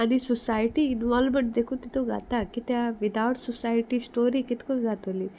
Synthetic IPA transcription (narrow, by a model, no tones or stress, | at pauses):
ɐnisɔsaːjʈiːnʋaːlmeɳʈ̚d̪ekut̪it̪oɡa̰t̪akit̪aʋid̪aːʈsɔsaːjʈisʈoːɾikit̪kozaːt̪ɐli